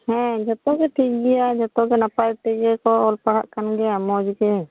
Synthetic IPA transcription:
hɛ̃d͡ʒɔt̪ɔɡɛʈid͡ʒɡijad͡ʒɔt̪ɔɡɛnapajʈɛd͡ʒɛkɔɔlpaɽa̰ʔkanɡɛamɔd͡ʒɡɛ

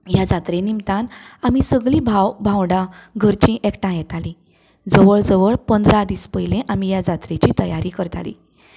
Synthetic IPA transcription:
jad͡zat̪ɾenimt̪anamisəɡɭibʱawbʱãwɖaɡʱəɾt͡ɕĩʔɛkʈãjɛt̪ali | d͡zəʋəɭd͡zəʋəɭpənd̪ɾad̪iːspəjlẽʔamijad͡zat̪ɾet͡ɕiːt̪əjaɾikəɾt̪a̰lḭː

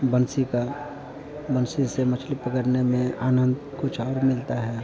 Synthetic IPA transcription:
bənsika | bənsisemət͡ʃʰlɪpəkəɾnemẽaːnə̃nd̪kʊt͡ʃʰɔːɾmɪlt̪aɦɛː

